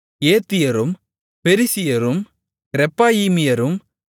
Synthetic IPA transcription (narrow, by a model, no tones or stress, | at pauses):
eːt̪ːɪjɐɾɯm | pɛɾisɪjɐɾɯm | ɾɛpːaːjiːmɪjɐɾɯm